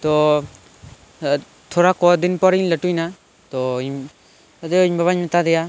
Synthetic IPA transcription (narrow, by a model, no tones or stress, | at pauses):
t̪ɔ | t̪ʰɔɾakɔd̪inpɔɾiɲlɛʈujna | t̪ɔiɲ | d̪ɔiɲbaβaɲmɛt̪ad̪ɛja